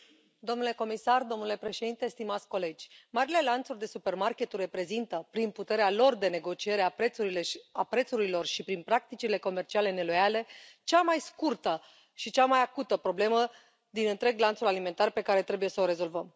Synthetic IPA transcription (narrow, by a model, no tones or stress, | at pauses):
d̪o̞mnule̞ko̞misard̪o̞mnule̞pɾe̞ʃe̞d̪int̪e̞st̪imat̪sʲko̞le̞d͡ʒʲmaɾile̞lant̪surʲd̪e̞supe̞rmarkʲe̞t̪urːe̞pɾe̞zint̪əpɾinput̪e̞ɾealo̞rd̪e̞ne̞ɡo̞t͡ʃie̞ɾeapɾe̞t̪suɾile̞apɾe̞t̪suɾilo̞rʃipɾinpɾak̚t̪it͡ʃile̞ko̞me̞rt͡ʃiale̞ne̞lo̞jale̞t͡ʃamajskurt̪ə | ʃit͡ʃamajakut̪əpɾo̞ble̞mə | d̪inɨnt̪ɾe̞ɡlant̪sulalime̞nt̪arpe̞kaɾe̞t̪ɾe̞buje̞səoɾe̞zo̞lvəm